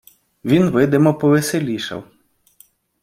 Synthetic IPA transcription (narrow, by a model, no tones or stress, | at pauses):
ʋʲinʋɪd̪ɪmɔpɔʋeselʲiʃɐ̰w